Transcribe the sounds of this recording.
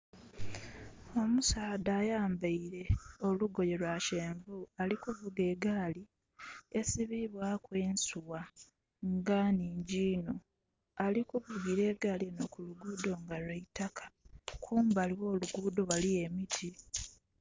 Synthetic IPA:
o̞musaːdaːjaːmbaiɾe̞o̞luɡo̞je̞lwaʃeːɱvualikuvuɡe̞ːɡaːli | e̞siβiβwakwe̞ːnsuwa | ŋɡaniːɲɟiːno | alikuvuɡiɾe̞ːɡaːlinokuluɡuːdo̞ŋɡalweitakḁkʰuːmbaliwo̞ːluɡuːdo̞walije̞mitʰi

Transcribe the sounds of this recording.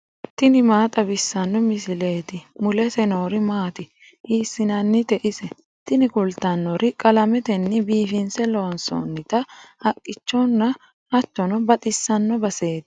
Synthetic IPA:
t̪ɪnɪmaːt̪ʼɐbɪsːɐnːɔmɪsɪle̞ːt̪ɪmʊlɛsɛno̞ːɾɪmaːt̪ɪ | ʔiːsːɪnɐnːɪt̪ɛʔɪsɛ | t̪ɪnɪkʊlt̪ːɐnːɔɾɪkʼɐlɐmɛt̪ɛnːɪbiːfɪnsɛloːnso̰ːnːɪt̪ɐhɐkʼːɪt͡ʃːɔnːɐ | hɐt̪ːɔnɔbɐt̪ʼɪsːɐnːɔbɐse̞ːt̪ɪ̥

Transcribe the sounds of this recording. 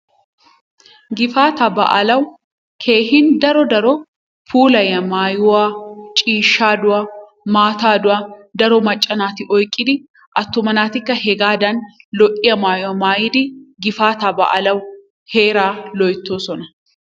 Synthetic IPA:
ɡɪfaːt̪ɐbɐ̰ʔɐlɐw | kʰe̞ːhɪnd̪ɐɾɔd̪ɐɾɔ | fʰuːlɐjɐmaːjʊwaːt͡ʃʼiːʃːaːd̪ʊwɐ | maːt̪aːd̪ʊwɐd̪ɐɾɔmɐt͡ʃʼːɐnaːt̪ɪʔɔjkʼːɪd̪ɪ | ʔɐt̪ːʊmɐnaːt̪ɪkːɐhɛɡaːd̪ɐnlɔʔʼɪjɐmaːjʊwɐmaːjɪd̪ɪɡɪfaːt̪abɐ̰ʔɐ̰lɐw | he̞ːɾaːlɔjt̪ːoːsɔnɐ

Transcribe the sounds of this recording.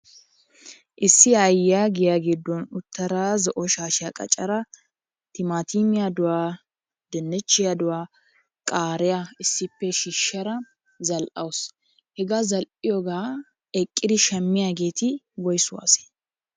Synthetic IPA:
ʔɪsːɪɐjːaːɡɪjaːɡid̪ːɔnʊt̪ːɐɾaːzɔʔɔʃaːʃɪjakʼɐ̰t͡ʃʼːɐɾɐ | t̪ɪmaːt̪iːmɪjad̪ʊwaː | d̪ɛnːɛt͡ʃːɪjad̪ʊwaː | kʼaːɾɪjaɪsːɪpːɛʃɪʃːɐɾɐ | zɐlʔɐwʊs | hɛɡazɐlʔɪjɔɡaː | ɛkʼːɪd̪ɪʃɐmːɪjaːɡe̞ːt̪ɪ | bɔjsʊwa̰ːse̥ː

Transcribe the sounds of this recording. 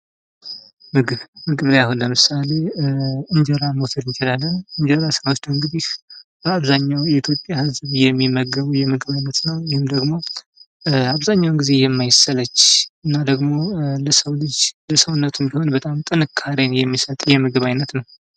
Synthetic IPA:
mɨɡβmɨɡɨβjahonləmɨsale̞ɨɲd͡ʒəɾamo̞t̪ʰəɾɨnt͡ʃɪlalːənɨɲd͡ʒɛɾasɨɾawot͡ʃd̪əɨŋɡɨd̪ihbəaβzaɲːawjɛit̪ʰjopʼjahɨzβjɛmːimːəɡəβujɛmɨɡɨβajnːət̪nəwjihɪmd̪əɡmo̞ | aβzaɲːawŋɡize̞jɛmːajɪsələt͡ʃːɨnːad̪əɡmo̞ləsəwlɨd͡ʒləsəwnːət̪ɨnd̪iho̞nbət̪ʼamt̪ʼɨnɨkʰːaɾenjɛmːisət̪ʼjɛmɨɡɨβajnːət̪nəw

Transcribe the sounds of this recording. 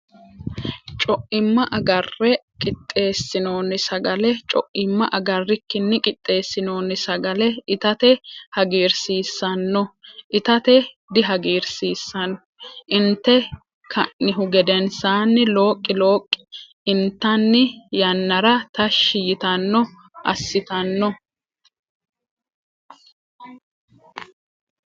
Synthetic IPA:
t͡ʃʼɔʔɪmːɐʔɐɡɐrːɛkʼɪt̪ʼːe̞ːsːɪno̞ːnːɪsɐɡɐlɛt͡ʃʼɔʔɪmːɐʔɐɡɐrːɪkːɪnːɪkʼɪt̪ʼːe̞ːsːɪno̞ːnːɪsɐɡɐlɛɪt̪ɐt̪ɛhɐɡiːɾsiːsːɐnːɔʔɪt̪ɐt̪ɛ | d̪ɪɦɐɡiːɾsiːsːɐnɔ | ʔɪnt̪ːɛ | kʰɐʔːɪɦʊɡɛd̪ɛnsaːnːɪlo̞ːkʼːɪlo̞ːkʼːɪ̥ | ɪnt̪ːɐnːɪjɐnːɐɾɐt̪ɐʃːɪjɪt̪ɐnːɔ | ɐ̰sːɪt̪ɐnːɔ

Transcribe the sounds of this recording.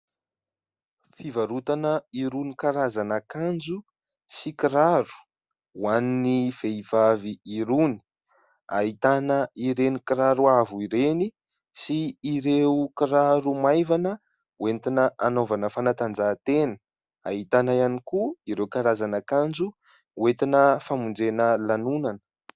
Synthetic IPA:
fivaɾut̪anəiɾunikaɾazanakand͡zu | sikiɾaɾu̥ | waninifeivaviːɾuni̥ | a̰ɦit̪anəiɾenikiɾaɾuavuiɾeni | siːɾewukiɾaɾumajvanə | went̪inəʔanovanəfanat̪and͡zat̪enə̥ | a̰ɦit̪anajanikuiɾewkaɾazanakand͡zu | uwet̪inəfamund͡zenəlanunanə̥

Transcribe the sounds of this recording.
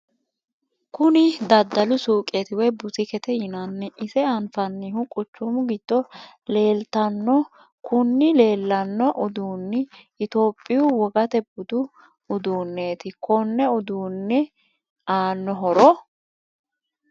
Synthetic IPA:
kʊnɪd̪ɐd̪ːɐlʊsuːkʼet̪ɪwɛbʊt̪ɪkɛt̪ɛjɪnanːɛʔɪsɛɐnfɐnːihʊkʼʊt͡ʃːʊmʊɡɪd̪̥ːɔ | le̞ːlt̪ɐnːɔ | kʊnːɪle̞ːlːɐnːɔʔʊd̪uːnːɪ | ɪt̪o̞ːpʼːɪjʊwɔɡɐt̪ɛbʊd̪ʊ | ʊd̪uːnːeːt̪ɪkɔnːɛʊd̪uːnːɛ | aːnːɔɦɔɾɔ

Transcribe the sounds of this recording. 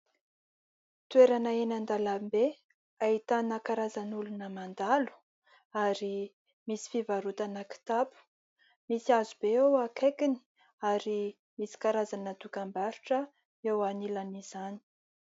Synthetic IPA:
t̪ueɾanaenand̪alambe | ait̪anakaɾazanulunəmand̪alu̥ | aɾi | misi̥fivaɾut̪anaki̥t̪apu̥ | misiazubeewakʰekini̥ | aɾi | misi̥kaɾazanət̪ukambaɾuʈ͡ʂə | ewanilaniz̥ani̥

